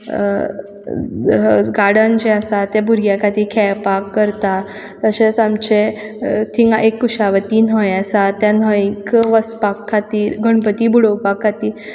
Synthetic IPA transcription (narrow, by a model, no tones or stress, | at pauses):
ɡaɽənd͡ʑẽasat̪ebʱuɾɡjakʰat̪iːɾkʰɛpakːəɾt̪a | t̪əɕet͡samt͡ɕet̪ʰiŋɡaʔekːuɕaʋət̪iːnɦɔ̃jasat̪anɔikʋəspakʰːat̪iːɾɡʱəɳpət̪iːbʱuɽowpakʰːat̪iː